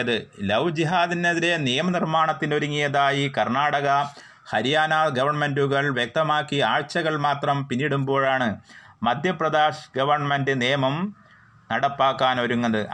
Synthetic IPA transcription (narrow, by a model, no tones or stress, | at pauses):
ɐðɨlɐwd͡ʑiɦaːðineðiɾe̞nijɐmɐnirmaːɳɐt̪ːinoɾuŋːijɐðaːjikɐrnaːɽɐɣɐ | hɐɾijaːnaːɡɐʋɐrɳme̞nduɣɐɭʋjek̚t̪ɐmaːkːiaːɻt͡ɕːɐɣɐɭmaːt̪rɐmpinːiɽumbo̞ːɻaːɳɨmɐd̪ʱjɐprɐd̪aːʂɡɐʋɐrɳɐmendɨnijɐmɐm | nɐɽɐpːaːkːaːnoɾuŋːɐðɨ